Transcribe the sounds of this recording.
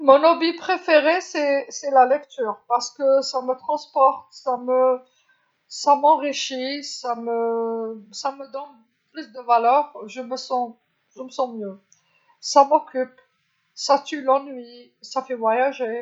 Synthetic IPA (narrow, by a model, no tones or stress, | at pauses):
mɔ̃nɔbipχefeʁesɛsɛlalɛkt̪yːʁpaʁsə̥kəsamət̪χɑ̃spɔʁt̪samə | samɑ̃ʁiʃisamə | saməd̪ɔn | plysd̪əvalœʁʒəməsɑ̃ | ʒ̥əməsɑ̃mjø | samɔkʲyp | sat̪ylɑ̃nɥi | safɛvwajaʒe